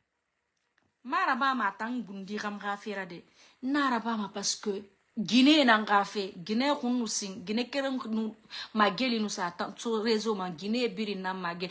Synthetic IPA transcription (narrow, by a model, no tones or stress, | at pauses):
maɾabaːmataŋŋ̩ɡundikamkafeɾade | n̩naɾabaːmapaskø | ɡinenaŋkafeɡinekunːusiŋɡinekeɾenumaɡelinusatatoɾezomaŋɡinebiɾinammaɡe